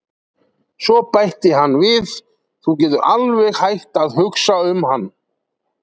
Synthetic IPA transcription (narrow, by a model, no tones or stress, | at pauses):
sɔpajht̪ɪɦanːvɪθ | θucɛːt̪ʏɾʔalvɛɣhajht̪aðhʏksaʏmhanː